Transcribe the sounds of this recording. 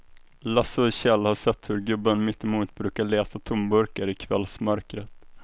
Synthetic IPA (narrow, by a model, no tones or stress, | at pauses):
lasʊɕɛlhaʂɛt̪ːhɵɾɡɵbːənmɪt̪ːɪmuːt̪bɾʉ̟ːkaɭeːt̪at̪ʰʊmbɵɾkaɾɪkʰvɛ̰lsmœɾkɾət̪